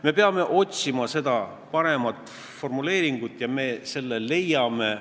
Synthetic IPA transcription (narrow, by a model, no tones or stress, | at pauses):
me̞peɑme̞ʔo̞t̪ʲsimɑse̞d̪ɑ | pɑɾe̞mɑt̪ːˑ | fo̞rmule̞ːɾiŋɡ̥ut̪ːˑjɑme̞ːse̞lːele̞jɑme̞